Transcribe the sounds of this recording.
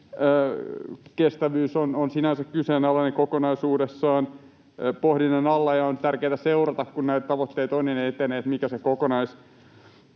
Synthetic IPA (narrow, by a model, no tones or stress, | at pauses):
kest̪æʋyːsononsinænsækkyseːnɑlːɑnekokonɑisuːdesːɑːn | pohdinenɑlːɑjɑont̪ærkeːt̪æseurɑt̪ɑkkunnæit̪t̪ɑʋot̪ːeit̪onnineet̪ːeneːt̪mikæsekokonɑis